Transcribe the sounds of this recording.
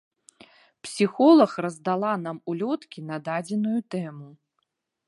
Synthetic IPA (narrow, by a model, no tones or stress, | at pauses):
psʲixɔlˠɐxrɐzd̪alˠanamulʲɔt̪kʲinɐd̪ad͡zʲɛnujut̪ɛmu